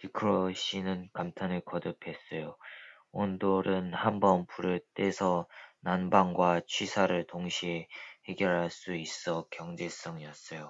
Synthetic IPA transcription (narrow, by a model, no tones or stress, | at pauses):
tikʰɯɾoɕ͈ʰinɯnkamtʰanɯɭkʌdɯpʰe̞s͈ʌjo | ondoɾɯnhambʌnpʰuɾɯɭt͈e̞sʰʌnanbaŋɡwat͡ɕʰwɥisʰaɾɯɭtoŋɕʰiehe̞ɡjʌɾɦaɭs͈uis͈ʌkjʌŋd͡ʑe̞s͈ʌŋiʌs͈ʌjo